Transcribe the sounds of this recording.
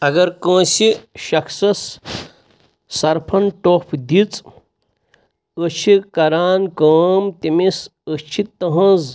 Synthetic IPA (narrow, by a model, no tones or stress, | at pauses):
ɐɡɐɾkə̃ːsiʃɐksɐs | ɐɾpʰɐnʈoːpʰd̪it͡s | ət͡ʃʰikɐɾaːnkəːmt̪imisət͡ʃʰit̪ɐɦɐ̃z